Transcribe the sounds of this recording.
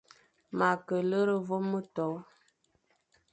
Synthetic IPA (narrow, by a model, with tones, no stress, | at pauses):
ma˨kə˨lə˦ɾə˦vo˦mə˦tɔ˨˦